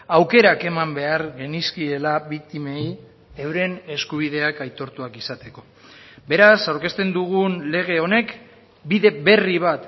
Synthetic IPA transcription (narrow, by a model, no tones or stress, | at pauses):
awke̞ɾake̞mambe̞aɾɣe̞niskie̞laβik̚t̪imej | ewɾe̞ne̞skuβ̞ið̞e̞akajt̪o̞ɾt̪uakisat̪e̞ko̞ | be̞ɾasawɾke̞st̪e̞nd̪uɣunle̞ɣ̞e̞o̞ne̞k | biðe̞be̞riβ̞at̪